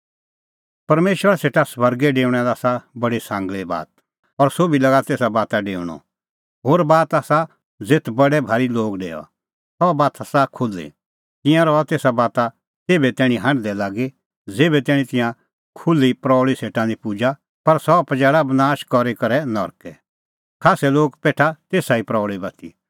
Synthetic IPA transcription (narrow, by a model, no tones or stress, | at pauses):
pɐɾmeːʃʋəɾaseːʈasʋɐɾɡɛɖeːʊɽ̃ɛd̪aːsabɐɽisãːŋɡɭeba̰ːt̪̚ | ɔɾsobilɐɡat̪eːsabaːt̪aɖḛːʊɽ̃ɔ̰ | ɦoːɾbaːt̪aːsa | d͡zet̪ʰbɐɽɛbʱaːɾiloːɡɖḛːɔ̰ | sɔbaːt̪asakʰʊlːḭ | t̪ɪ̃jãɾɔat̪eːsabaːt̪a | t̪eːbɛt̪ɛːɽ̃ĩɦɐ̃ɳɖd̪ɛlaːɡe | d͡zeːbɛt̪ɛːɽ̃ĩt̪ɪ̃jã | kʰʊlːipɾɔːɭiseːʈãlipud͡ʒa | pɐɾsɔpɐd͡ʒɛːɽabɐnaːʃkɔɾekɐɾɛnɔɾkɛ | kʰaːsɛloːɡpeːʈʰat̪eːsaipɾɔːɭibɐt̪ʰḭ